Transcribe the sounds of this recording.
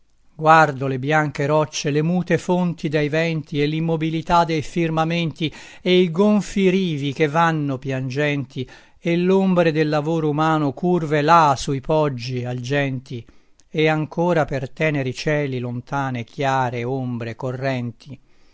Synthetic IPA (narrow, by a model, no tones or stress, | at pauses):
ɡward̪olebjaŋkeɾɔt͡ʃːelemuːt̪efont̪id̪ejvɛnt̪iɛlːimːobilit̪ad̪ːejfirmament̪i | ejɡoɱfiɾiːvik̟evːanːopjand͡ʒɛnt̪i | elːombɾed̪elːavoːɾoumaːnokurvelasuipʰɔd͡ʒːiald͡ʒɛnt̪i | eaŋkoːɾapert̪ɛːneɾit͡ʃɛːlilont̪aːnekʰjaːɾeombɾekorːɛnt̪ʰi